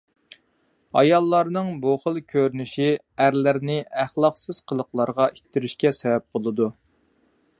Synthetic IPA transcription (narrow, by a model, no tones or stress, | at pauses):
ɑ̰jɑlˠːɑɾnɨŋbuχəlˠkʲʰøɾnyʃi | æɾlɪɾnɪæχlˠɑqsɨz̥qʰəlˠəqlˠɑɾʁɑʔik̚ʲt̪ɪɾyʃkʲɛsɛwɛp̚bolˠɨd̪u